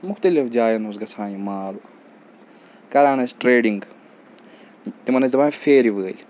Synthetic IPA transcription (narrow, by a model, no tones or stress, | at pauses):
mʊxt̪ɐlifd͡ʒaːjɐnusɡɐsʰaːjimaːlu | kɐɾaːnɐsʈɾeːɖiŋɡ | t̪imɐnɐsʲt̪baːfeːɾiʋəːlʲ